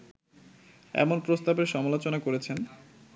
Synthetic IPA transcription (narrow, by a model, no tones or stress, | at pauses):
ɛ̰monpɾost̪abeɾʃɔmalot͡ɕonakoɾet͡ɕʰen